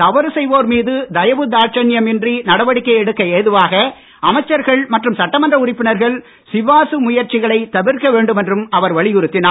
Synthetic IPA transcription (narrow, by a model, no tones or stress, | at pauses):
t̪ɐʋɐɾɯsɛjʋoːɾmiːðɯd̪ɐjɐʋɯd̪aːɾt͡ʃɐnɪjɐmɪndrinɐɽɐʋɐɽɪkːɐɪɛɽɯkːɐeːðɯʋaːɣɐ | ɐmɐɪt͡ʃːɐɾɣɐɭmɐʈrɯmsɐʈːɐmɐndrɐʊrɪpːɪnɐɾɣɐɭ | sɪʋaːsɯmʊjɐɾt͡ʃɪɣɐɭɐɪt̪ɐʋɪɾkɐʋeːɳɖɯmɛndrɯmɐʋɐɾʋɐɭɪjʊɾɯt̪ːɪnaː